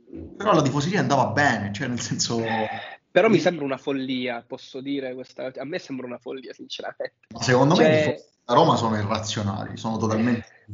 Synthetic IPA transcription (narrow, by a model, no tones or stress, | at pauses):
peɾɔlad̪ifos̬eɾiːand̪aːvabːɛːnet͡ʃoɛnːelsɛnso | peɾɔmːisɛmbɾaunafolːiːapɔsːod̪iːɾekwest̪aamːesɛmbɾaunafolːiːasint͡ʃeɾa̰ment̪emasːekond̪od̪ifo | aɾɔːmasoːnoirːat̪sːjona̰ːlḭsoːnot̪ot̪alment̪e